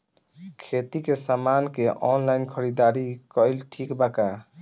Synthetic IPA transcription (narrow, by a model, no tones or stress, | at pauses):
kʰet̪ikesamankeʔɔnlainkʰəɾid̪aɾikɔlʈʰikbaka